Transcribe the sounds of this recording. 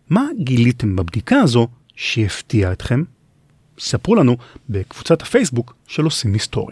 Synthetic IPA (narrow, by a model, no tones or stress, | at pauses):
maɡilite̞mbabdikaːzo̞ | ʃeeftiaet̪χe̞m | sapʁulanube̞kv̥ut͡sathafe̞jsbuk | ʃelosimhisto̞̰ʁja